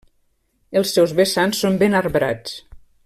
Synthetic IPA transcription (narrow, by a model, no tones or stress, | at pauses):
elˠsːɛwzβesansːombenarβɾa̰t͡s